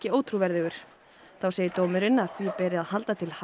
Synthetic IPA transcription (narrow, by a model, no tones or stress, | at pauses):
cɪoːwt̪ʰɾuvɛɾðɪɣʏɾ̥ | θawseːjɪɾt̪oːmʏɾɪnaðθipɛːɾɪaðhalt̪at̪ʰɪlh